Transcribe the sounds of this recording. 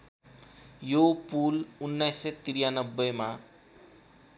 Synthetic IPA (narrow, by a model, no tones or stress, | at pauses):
jopulunːajsʌt̪iɾijanʌbːʌma